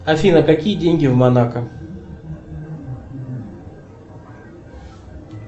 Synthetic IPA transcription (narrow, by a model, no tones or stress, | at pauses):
afinakakiʄiŋɡivmanaka